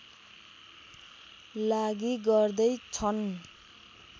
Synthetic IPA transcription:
laɡiɡʌrd̪ʌjt͡sʰʌn

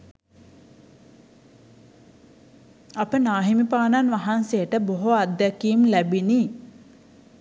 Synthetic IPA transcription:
apənaːɦimipaːnanʋaɦansejəʈəboɦoad̪ːækiːmlæbini

